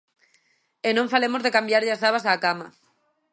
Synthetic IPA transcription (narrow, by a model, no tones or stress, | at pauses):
enõɱfalemozðekambjaɾʎasθaβasaːkama̰